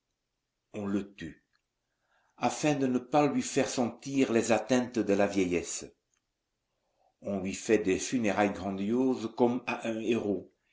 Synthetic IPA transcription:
ɔ̃lət̪y | afɛ̃d̪ənəpalɥifɛʁsɑ̃t̪iːʁlɛzat̪ɛ̃t̪d̪əlavjɛjɛs | ɔ̃lɥifɛd̪ɛfyneʁajɡʁɑ̃d̪joːzkɔmaʔɛ̃eʁo

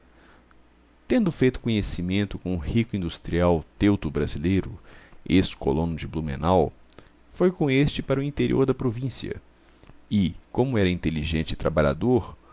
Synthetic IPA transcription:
t̪ẽnd̪ʊfejt̪ʊ̥kõɲesimẽnt̪ʊkõʊhikʊĩnd̪ust̪ɾiawt̪ewt̪ʊbɾazilejɾʊesko̰lõnʊd͡ʒɪblumḛ̃naw | fojkõest͡ʃɪpaɾʊĩnt̪eɾiʔoɾd̪ɐpɾovĩsiɐ̰ | ɪkõmʊɛɾɐĩnt̪eliʒẽnt͡ʃɪt̪ɾa̰baʎa̰d̪oɾ

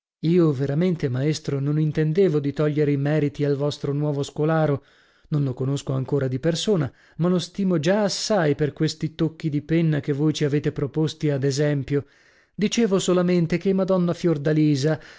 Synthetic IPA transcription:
iːoveɾament̪emaest̪ɾononint̪end̪eːvod̪it̪ɔʎːeɾeimɛːɾit̪ialvɔst̪ɾonwɔːvoskolaːɾo | nonlokonoskoaŋkoːɾad̪ipersoːna | malost̪iːmod͡ʒaːsːajperkwest̪it̪okːid̪ipenːakevːojt͡ʃiaveːt̪epɾopost̪iad̪ezɛmpjo | d̪it͡ʃeːvosolament̪ek̟emad̪ɔnːafjord̪aliːza

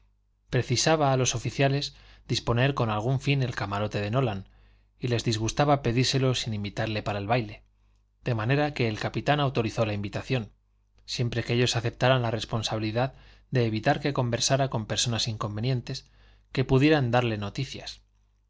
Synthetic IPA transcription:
pɾe̞θisaβaːlo̞so̞fiθjale̞zd̪ispo̞ne̞ɾko̞nalɣ̞uɱfine̞lkamaɾo̞t̪e̞ðe̞no̞lan | ile̞zðizɣ̞ust̪aβape̞ðiɾse̞lo̞sinimbit̪aɾle̞paɾaelβajle̞ | d̪̥e̞mane̞ɾake̞ːlkapit̪anawt̪o̞ɾiθo̞laimbit̪aθjo̞n | sje̞mpɾe̞ke̞ʎo̞saθe̞p̚t̪aɾanlare̞spo̞nsaβiliðað | d̪e̞ːβ̞it̪aɾke̞ko̞mbe̞ɾsaɾako̞mpe̞ɾso̞nasiŋko̞mbe̞njẽ̞nt̪e̞s | ke̞puðje̞ɾand̪aɾle̞no̞t̪iθja̰s

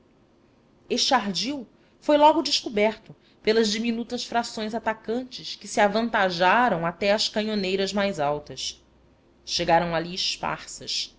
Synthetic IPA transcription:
eʃt͡ʃɪaɦd͡ʒiw | fojlɔɡʊd͡ʒɪʃkubɛɾt̪ʊ | pelɐzd͡ʒiminut̪ɐsfɾasõj̃zat̪akɐ̃nt͡ʃɪskɪsiavɐ̃nt̪aʒaɾɐ̃w̃at̪ɛɐskɐ̃ɲonejɾɐzmajzawt̪ɐs | ʃeɡaɾɐ̃w̃aliɪʃpa̰ɾsɐʃ

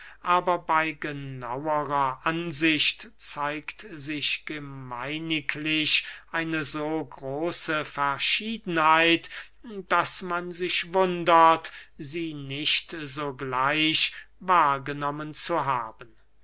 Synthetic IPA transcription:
ʔaːbɐbaɪɡəna̰wəʁɐʔanzɪʃtt͡saɪktzɪʃɡ̥əmaɪnɪklɪʃʔaɪnəzoːɡʁoːsəfɛɐʃiːdn̩haaɪt | d̥asmanzɪʃvʊndɐtziːnɪʃtzoːɡlaɪʃ | vaːɐɡənɔmənt͡suɦaːbən

